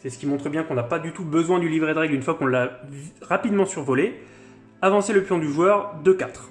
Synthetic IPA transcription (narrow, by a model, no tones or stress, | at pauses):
sɛsə̥kʲimɔ̃t̪χəbjɛ̃kɔ̃napad̪yt̪ubəzwɛ̃d̪ylivʁed̪ʁɛɡlynfwakɔ̃ləavʁapid̪mɑ̃syʁvɔle | avɑ̃seləpjɔ̃d̪yʒwœʁd̪økat̪χ